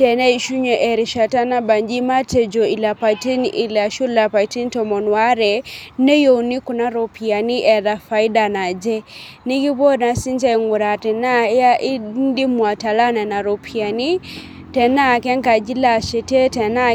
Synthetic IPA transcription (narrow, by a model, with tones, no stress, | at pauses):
tɛ˨nɛ˦i˨ʃu˦ɲɛ˨ʔɛ˨ɾi˨ʃa˨ta˦na˦ba˨nd͡ʒi˦ma˦tɛ˨d͡ʒo˨i˨la˨pa˨ti˦ni˨la˨ʃu˦la˨pa˨i˨ti˦n˦tɔ˨mɔ˨nwa˦ɾɛ˨nɛ˦jo˨u˨ni˦ku˨na˦ɾo˨pi˨a˨ni˦ʔɛ˨ða˨fa˨i˦da˨na˨d͡ʒɛ˦ni˦ki˦bɔ˦na˨si˦nt͡ʃa˦i˨ŋu˨ɾa˨tɛ˨na˦ja˦ʔi˦n˦di˦mwa˨ta˨la˦na˨na˨ɾo˨pʰi˨a˨ni˦ | tɛ˨na˦˨kɛ˦ŋka˨d͡ʒi˦la˦˨ʃɛ˨tɛ˦tɛ˨na˦